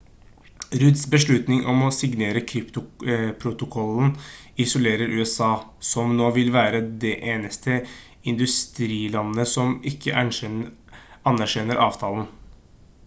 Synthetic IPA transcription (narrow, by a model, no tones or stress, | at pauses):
ɾʉd̪sbəʂɭʉt̪nɪŋʔɔmɔsɪɡneːɾəkʰɾɪpt̪ʊpʰɾʊt̪ʊkʰɔln̩ɪsʊleːɾəɾʔʉːɛsɑːsɔmnoːʋɪlʋæːɾəd̪ɛʔeːnəst̪ʰə | ɪnd̪ʉst̪ɾiːlɑnːəsɔmɪkːəʔæ | ɑnæɾʂɛnːəɾʔɑːʋt̪ʰɑːln̩